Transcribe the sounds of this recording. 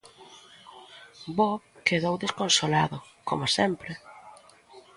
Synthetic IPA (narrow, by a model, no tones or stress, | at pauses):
bɔkeðowðeskonsolaðʊ | ko̰masɛmpɾɪ